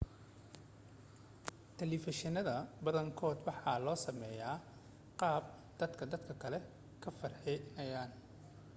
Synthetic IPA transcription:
t̪ʰɛlɪfɪʃɪnɐðɐbɐðɐŋkʰɔːd̪wɑħɑːlɔːsɐmɛjaː | qɑːb̚ | d̪̥ɐd̪kʰɐd̪ɐd̪kʰɐkʰɐlɛ | kʰɐfɐrħɛnɐjaːn

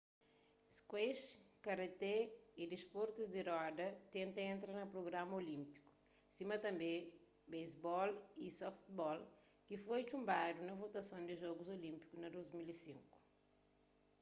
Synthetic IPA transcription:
skweʃkɐɾet̪eid̪ispoɾt̪uzd̪iɾɔd̪ɐt̪ẽnt̪ɐẽnt̪ɾɐnɐpɾoɡɾamɐolĩmpi̥ku̥ | simɐt̪ɐ̃mbẽ | bejzbɔlisɔft̪bɔl | kifojt͡ʃũmbad̪unɐvot̪ɐsõnd̪iʒɔɡuzolĩmpi̥kunɐd̪ozmilisĩŋku̥

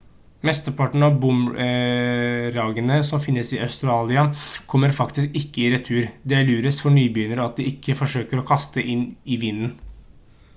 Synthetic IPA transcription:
mɛst̪əpɑʈɳ̩ɑbʊm | ɾɑːɡənəsɔmfɪnːəsɪɑʉst̪ɾɑːlɪɑkʰɔmːəɾfɑkt̪ɪskɪkːəɪɾɛt̪ʰʉːɾd̪ɛlʉːɾəsfɔɳyːbyːnəɾɔɑt̪̚d̪ɪɪkːəfɔʂøːkəɾɔkʰɑst̪əʔɪnɪʋɪnːn

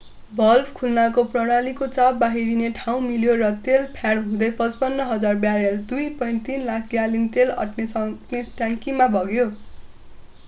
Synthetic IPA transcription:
bʱʌlpʰkʰulnakoprʌɽ̃alikot͡sabːaɦiɾineʈʰaw̃miljorʌt̪elpʰjaɽɦũd̪ʌjpʌt͡spʌnːʌɦʌd͡zarbjaɾjeld̪ujpʌjnt̪inlakʰɡjalint̪elʌ̰ʈnesʌneʈãŋkimabʱʌɡjo

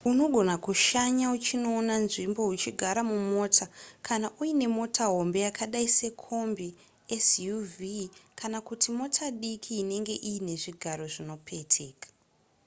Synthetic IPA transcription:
uno̞ɡʱo̞nakuʃaɲaut͡ʃino̞ːnanʐimbo̞ut͡ʃiɡʱaɾamumo̞ːtʰakʰanaʔuine̞mo̞tʰaɦo̞mbe̞jakʰaɗaise̞kʰo̞mbi | esjuvikʰanakutimo̞tʰaɗikʰiːne̞ŋɡe̞ʔiine̞ʐiɡʱaɾo̞ʐino̞pʰe̞tʰe̞ːkḁ

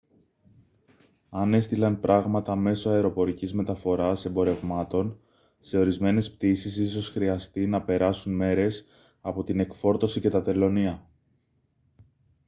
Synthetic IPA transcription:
ɐne̞st̪ilɐnpɾʔɐɣmɐt̪ɐme̞so̞ɐeɾo̞po̞ɾicizme̞t̪ɐfo̞ɾɐse̞mbo̞ɾe̞vmɐt̪o̞n | se̞o̞ɾizme̞ne̞spt̪isis̬iso̞sxɾiɐst̪inɐpe̞ɾɐsunme̞ɾe̞s | ɐpo̞t̪ine̞kfo̞ɾt̪o̞sice̞t̪ɐt̪e̞lo̞niɐ

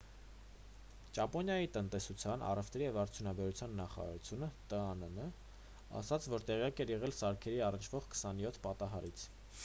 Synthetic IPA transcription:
t͡ʃɑpɔnjɑjit̪ənt̪ɛsut͡sʰjɑnʔɑ̰rɛft̪ɾijɛvɑɾt͡sʰjunɑbɛɾut͡sʰjɑnːɑχɑ̰ɾɑ̰ɾut͡sʰjunət̪əɑnənə | ɑ̰sɑt͡sʰvɔɾt̪ɛʁjɑkɛɾjɛʁɛlsɑɾkʰɛɾiɑrənt͡ʃʰv̥ɔʁkʰə̥sɑnjɔt̪ʰpɑt̪ɑɦɑɾit͡sʰ

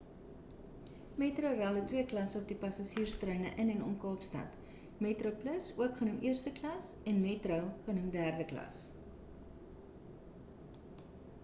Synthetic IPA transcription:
metrəwrælˠətwiəklɐsɔp̚dipɐsɐsiːrstrœɥnəʔənɛnɔnkɑːpstɐ̰t | metropləsuəkχənumʔiərstəklɐs | ɛnmeːtrəwχənumdæːrdəklɐ̰s

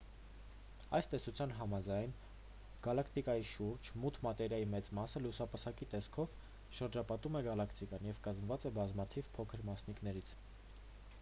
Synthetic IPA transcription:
ɑjst̪ɛsut͡sʰjɑnɦɑmɑd͡zɑjn | ɡ̥ɑlɑkʰt̪ikɑjiʃuɾd͡ʒmut̪ʰmɑt̪ɛɾjɑjimɛt͡smɑsəlusɑpəsɑkit̪ɛskʰɔv | ʃəɾd͡ʒɑpɑt̪umɛɡɑlɑkʰt̪ikɑnjɛvkɑzmvɑt͡sɛbɑzmɑt̪ʰivpʰɔkʰəɾmɑsniknɛɾit͡sʰ

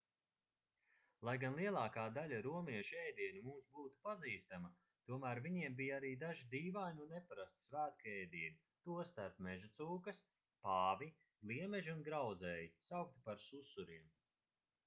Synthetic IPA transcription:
lˠajɡanlˠiɛlˠɑːkaːd̪alʲaɾuɔmiɛʃiɛjd̪iɛnimuːsbuːt̪u̥paziːst̪amɐ | t̪uɔmæːɾviɲiɛmbijaɾiːd̪aʒid̪iːvajnʲunnepaɾast̪svæːt̪̚kɛjd̪iɛnʲi | t̪uɔst̪aɾpmɛʒut̪suːkɐs | paːvi | lˠiɛmɛʒiunɡɾawd̪zɛːjisawk̚t̪ipaɾsusuɾiɛm

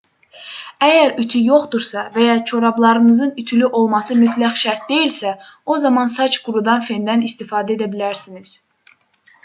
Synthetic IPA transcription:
æjæɾyt̪ʰyjo̞χd̪uɾsɑvæjɑt͡ʃʰo̞ɾɑblˠɑɾɯnɯzɯnyt̪ʰylyʔo̞lˠmɑsɯmyt̪ʰlæxʃæɾt̪̚d̪e̞jilsæo̞zɑmɑnsɑt͡ʃɡuɾud̪ɑnfe̞nd̪ænist̪ifɑːd̪æe̞d̪æbilæɾsiniz̥

